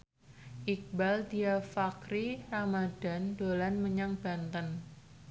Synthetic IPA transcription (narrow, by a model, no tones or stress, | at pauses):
ʔik̚baldiafakɾiramad̥a̤ndolanməɲaŋb̥a̤nt̪ən